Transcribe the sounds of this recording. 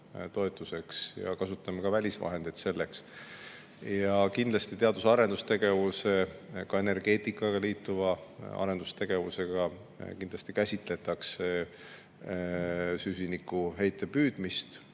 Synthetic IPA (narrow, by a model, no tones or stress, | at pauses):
t̪o̞e̞t̪ːˑuse̞ksjɑ̰kɑsut̪ːˑɑmekɑvælʲisvɑ̰ɦe̞nd̪ed̪se̞lːe̞ks | jɑkind̪lɑst̪it̪e̞ɑd̪̥usɑɾe̞nd̪ust̪e̞ɡ̥e̞vuse̞kɑene̞rɡe̞ːt̪ːˑikːˑɑɡ̥ɑliːt̪ːˑuvɑɑ̰ɾe̞nd̪̥ust̪e̞ɡ̥e̞vuse̞ɡ̥ɑ | kind̪lɑst̪ikæsʲit̪ˑle̞t̪ːˑɑkse | sysʲinikːuɦe̞jt̪ːˑe̞pyːd̪̥mist̪